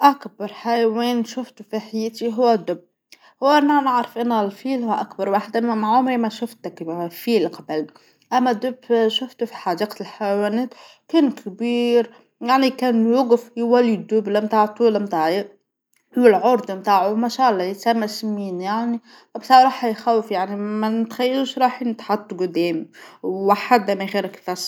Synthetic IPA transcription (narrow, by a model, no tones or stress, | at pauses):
ʔækbɑɾˤħajwiːnʃʊft̪ufiħajɪt̪iɦʊwːæd̪ʊb̚ | hʊwːæʔnænɪʕɾɑfʔɪnːælfiːlhʊwʔækbɑɾˤwaːħd̪æmaʕʊmɾimæʃʊft̪ækːfiːlqɑbl | ʔæmːæd̪ʊbʃʊft̪ufi̥ħad̪iːq̪lħajwænæːt̪ | kæːnkʰbiːɾ | jaʕnikæːnwʊɡfjwælːid̪ʊblamt̪aːʕt̪ˤuːlmt̪aːʕji | wɪlʕʊɾˤd̪ˤmt̪aːʕʊmæʃaːʔlˤːɑjɪt̪sæmːasmiːnjaʕni | bsˤɑɾˤɑːħɑjxæwɪfjaʕnimænɪt̪xæjːæluːʃɾˤɑːħnɪt̪ħɑt̪ˤːɡʊd̪æːmwwaħad̪mæɣiːɾakfɑsˤ